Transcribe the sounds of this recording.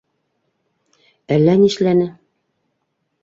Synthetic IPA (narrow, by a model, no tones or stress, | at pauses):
ælːæniʃlænɘ